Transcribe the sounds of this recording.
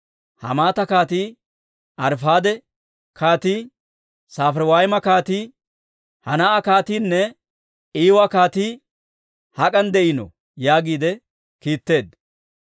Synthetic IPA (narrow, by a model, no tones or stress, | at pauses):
hɐ̰maːt̪ɐkaːt̪iː | ʔɐɾfaːd̪ɛ | kʰaːt̪iː | saːfɾwaːjmɐkaːt̪iː | hɐnɐʔakaːt̪iːnːɛ | iːwɐkaːt̪iː | hɐkʼɐnd̪ɛʔɪnɔ̰ | jaːɡiːd̪ɛ | kiːt̪ːe̞ːd̪